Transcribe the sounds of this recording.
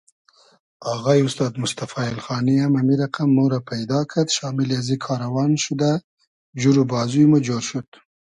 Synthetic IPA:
aɣɑjʊst̪ɑːd̪mʊst̪afɑɪlxɑːniamamiɾaqamːoɾapʰajd̪ɑkʰad̪ʃɑːmɪljazikʰɑːɾawɑnʃud̪a | d͡ʒuɾubɑːzujmud͡ʒoɾʃut̪

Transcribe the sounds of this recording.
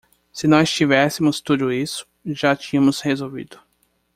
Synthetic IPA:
sɪnɔst͡ʃivɛsɪmʊst̪ud̪ʊisʊ̥ʒat͡ʃĩɲɐ̃mʊshezowvḭd̪ʊ

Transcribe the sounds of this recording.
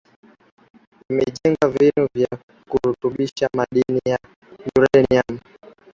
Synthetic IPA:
imɛʄɛŋɡavinuvja | kuhutuɓiʃamaɗinija | juɾɛniam̩

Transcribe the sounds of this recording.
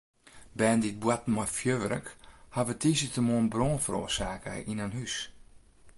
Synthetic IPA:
bɛːndit̚bwatmɔfjøʋərə̰khaʋətisətəmoənbroːnfəɾo̰ərsaːkə̰ʔinanhys

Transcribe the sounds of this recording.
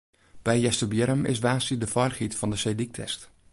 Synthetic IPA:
b̥ɛjjɛstəbjɛɾəmɪ̰sʋaːsidəfɔrχitfɑndəsedik̚tʰɛ̰st

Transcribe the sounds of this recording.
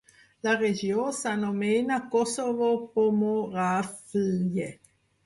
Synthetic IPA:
lared͡ʒjoːsanomenakosovopomorafije

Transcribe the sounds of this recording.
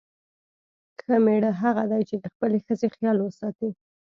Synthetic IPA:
xəmeɽəɦaɣad̪ajt͡ʃed̪əxpəlexəzexjɑlwəsɑt̪i

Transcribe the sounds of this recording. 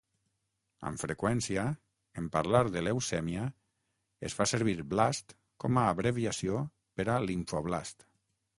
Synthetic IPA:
ə̰ɱfɾekwɛnsia | empaɾlaɾðelewsɛmia | ḛsfaseɾβ̞iɾblast̪ | kɔmaːβɾeβiasio | peɾaliɱfɔβlast̪

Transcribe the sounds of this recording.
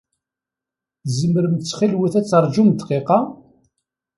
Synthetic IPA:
zəmːəɾəmt͡sːχilwiθæt͡sːəɾˤd͡ʒumət̪ːqeqɑ

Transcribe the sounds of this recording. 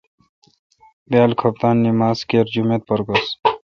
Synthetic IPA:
bjaːlkʰɐp̚t̪aːnːimaːzkeːɾd͡ʑumet̪̚pɐɾɡos

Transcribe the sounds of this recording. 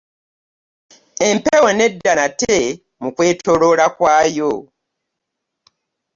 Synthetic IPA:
empewene̞dːanate | mukwe̞ːto̞ɾo̞ːlakwaːjo

